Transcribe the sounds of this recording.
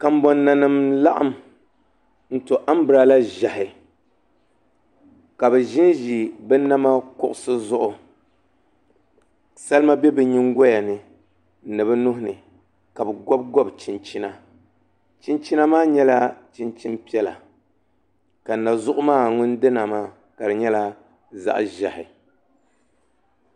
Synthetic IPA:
ka˨m̩˦bɔ˨nːa˨nɨ˨mla˦ʔa̰˦m | n̩˦to˨ʔa˦m˦bɨ˨ɾa˨la˦ʒa˨hɪ˨ | ka˨bɛ˨ʒi˦nʒi˨bɛ˦na˦ma˦kʊ˦ʔʊ˨sɨ˦zʊ˦ʔʊ˨ | sa˦lma˦bɛ˦bɛ˨ɲi˦ŋɡɔ˦ja˨nɨ˨˦ | nɨ˨bɛ˦nʊ˦ɦʊ˨nɨ˨ | ka˨bɛ˨ɡɔ˦b̚ɡɔ˦bt͡ʃi˨nt͡ʃi˦na˦ | t͡ʃi˦nt͡ʃi˦na˦maː˦ɲɛ˦la˦t͡ʃi˦nt͡ʃi˦mpi˦ɛ˦la˨ | ka˨n˨na˨zʊ˦ʔʊ˦maː˦˨ŋʊ˦n˦dɨ˦na˨maː˦˨ | ka˨dɨ˨ɲɛ˦la˦ | za̰˦ʔʒa˨hɪ̰˨

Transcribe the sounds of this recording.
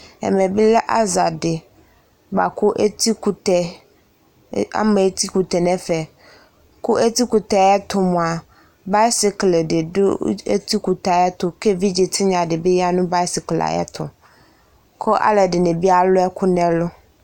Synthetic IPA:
ɛ̰˨mɛ̃˨be˦lɛ˦ʔa˦za˨dɪ˨ | ɡ͡ba̰˨kʊ˦ʔti˦kt̪ɛ˨ | a̰˦me˨˦t̪i˦ku˨t̪ɛ˨nɛ̃˨fɛ˨ | kʊ˦ʔe˦t̪i˦ku˨t̪ɛ˨a˨jɛ˦t̪ʊ˨mʊ̃˨a˨ | ba˦sɪ˦klɖɪ˨dʊ̰˦ḛ˦t̪i˦ku˨t̪a˨jɛ˦t̪ʊ˦ke˦vi˦d͡ʑɪ˨t̪ʰɪ˦ɲã˨dɪ˨be˦ja˦nũ˦ba˦i˦si˨kla̰˨jɛ̰˦t̪ʰʊ̰˨ | kʰʊ˦ʔa̰˦le˨dɪ˨nẽ˨bi˦a˦˨lʊ˦ɛ˦kʰʊ˦nɛ̃˨lʊ˦

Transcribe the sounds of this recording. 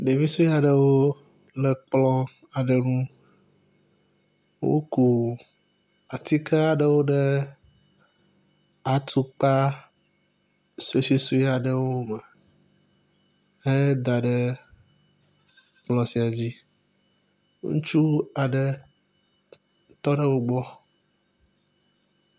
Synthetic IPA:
ɖe˨vi˦so˦ja˨ɖə˨wo˦ | lə˨k͡plɔ˦a˨ɖə˨nũ˦ | wo̰˦ku˨ | a˨t̪i˦kʰa˦a˨ɖə˦wo˦ɖə˦ | a˨t̪ʰu˦k͡pa˦ | se˦si˦su˦i˦a˨ɖe˦wo˦mɛ˨ | e˦d̪a˨ɖe˦ | k͡plɔ˨si˨a˨d͡ʑi˦ | ŋṵ̃˦t͡ʃu˦a˨ɖɛ˦ | t̪ɔ˦ɖɛ˦wo˦ɡ͡bɔ˦

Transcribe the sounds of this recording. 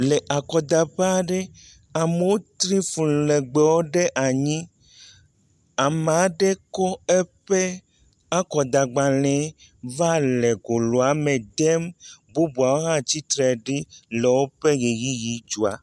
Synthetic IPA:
le˨ʔa˨kɔ˨d̪a˨ɸa˦˨ɖe˦ | a˨me˨˦wo˦t̪ɾĩ˦fũ˨le˨ɡ͡be˨wo˦ɖe˦ʔa˨ɲĩ˦ | a˨m˨a˨˦ɖe˦kɔ˦e˦ɸe˦ | a˦kɔ˨d̪a˨ɡ͡ba˨lɛ̃˨˦ | va˦le˨ɡo˨lo˨a˨me˨d̪ɛ˦mbo˦bu˨a˨wo˦ɦã˦t͡ɕi˦t̪ɾɛ˨ɖi˦lɛ˨wo˦ɸe˦ɣe˨ji˦ji˨˦d͡ʒu˨a̰˨

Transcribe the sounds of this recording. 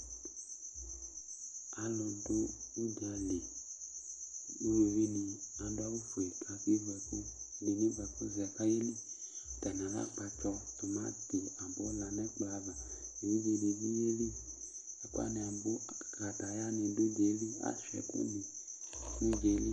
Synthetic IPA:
a˨lɔ˨do˦u˦da˨le˨ | u˦we˨vi˦nĩ˨a˨do˦a˦wu˦fo˨e˨kʰa˧fi˦vɛ˧ko˦le˨nẽ˦vɛ˨fo˦zɛ˨ka˦je˦li˦˨t̪a˨n˨ã˨la̰˦k͡pa˧t͡ʃɔ˧t̪o˨mã˦t̪e˨a˨bo˦la˨nɛ˦k͡pa˨˦va˨e˨wi˦ve˦le˨vi˦je˦li˦a˨ku˦a̰˦ne˧a˨bo˦˨kɾa˨t̪a˨˦ja˦nẽ˨do˦d͡ʒe˨˦li˦a̰˨ʃɛ̰˨˦kṵ˦nĩ˨ | ne˦d͡ʒe˨˦li˦

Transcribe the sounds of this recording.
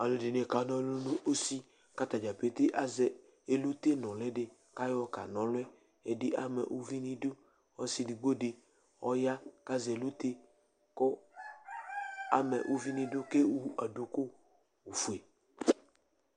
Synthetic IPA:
a˨lo˨˦dɪ˨ne˨ka˨nɔ̃˦lo˦lo˦ʔo˦si˦ | ka˦t̪a˨d͡ʒa˨pe˦t̪ɪ˦ʔa˦zɛ˨ | e˨lu˦t̪e˦nɔ̃˨lɛ˦dɪ˨ | ka˦jɔ˦ka̰˨nɔ̃˨lʊ˦ɛ˦ | e˨dɪ˦ʔa˦mɛ̰˨ʔu˦vi˦nĩ˦dʊ˦ | ɔ˦si˦dɪ˨ɡ͡bo˦dɪ˨ | ɔ˦ja˦ka˦zɛ˨lu˦t̪e˦ | kɔ˦ | a˨mɛ̰˨ʔu˦vi˦nĩ˦dʊ˦ke˦wu˦a˨do˨kʊ˦ | wu˨fu˨e˨

